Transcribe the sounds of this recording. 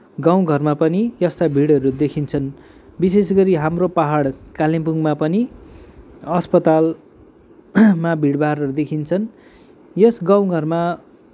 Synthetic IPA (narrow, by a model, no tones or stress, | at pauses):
ɡaw̃ɡʱʌrmapʌnijʌst̪abʱiɽʌɾud̪ekʰint͡sʰʌn | bis̬esɡʌɾiɦamropaɦaɽkalimpuŋmapʌni | ʌspʌt̪al | mabʱiɽbarʌud̪ekʰint͡sʰʌn | jʌsɡaw̃ɡʱʌrma